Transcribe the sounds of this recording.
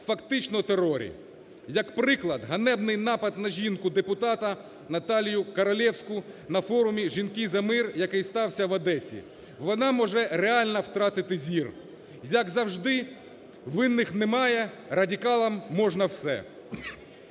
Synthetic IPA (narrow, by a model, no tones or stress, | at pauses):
fɐkt̪ɪt͡ʃnɔt̪eɾɔɾʲḭ | jɐkpɾɪklˠɐd̪ɦɐnɛbnɪjnɑpɐd̪nɐʒʲinkʊd̪epʊt̪ɑt̪ɐ | nɐt̪ɑlʲjʊkɐɾɐlʲɛwsʲkʊnɐfɔɾʊmʲiʒʲinkɪzɐmɪrjɐkɪjst̪ɑwsʲɐʋɐd̪ɛsʲḭ | ʋɔnɑmɔʒɛɾeɑlʲnɐwt̪ɾɑt̪ɪt̪ɪzʲir | jɐkzɐwʒd̪ɪ | ʋɪnːɪxnɛmɑjɛ | rɐdʲikɑlˠɐmːɔʒnɐwsɛ̰